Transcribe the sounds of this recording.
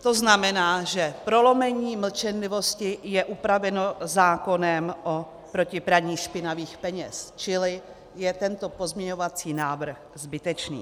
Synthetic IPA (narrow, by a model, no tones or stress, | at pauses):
t̪o̞znamɛnaːʒɛpɾo̞lo̞mɛɲiːml̩t͡ʃɛnlɪvo̞scɪjɛʔupɾavɛno̞zaːko̞nɛmʔo | pɾo̞cɪpɾaɲiːʃpɪnaviːxpɛɲɛ̰st͡ʃɪlɪ | jɛt̪ɛnt̪o̞po̞zmɲɛɲo̞vat͡siːnaːvr̩xzbɪt̪ɛt͡ʃnḭː